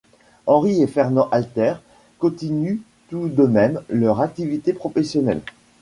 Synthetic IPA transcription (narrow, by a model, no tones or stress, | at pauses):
ɑ̃ʁiefɛʁnɑ̃ʔalt̪ɛʁ | kɔ̃t̪iny | t̪ud̪əmɛmlœʁak̚t̪ivit̪epχɔfɛsjɔnɛ̰l